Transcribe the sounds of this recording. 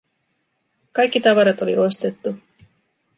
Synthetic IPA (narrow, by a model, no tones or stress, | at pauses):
kɑjkːit̪ɑʋɑɾɑt̪o̞lḭo̞st̪e̞t̪ːu